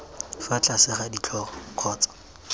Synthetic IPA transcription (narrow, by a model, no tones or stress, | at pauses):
fat͡ɬʼasɪχadit͡ɬʰɔχɔkʰɔːt͡sḁ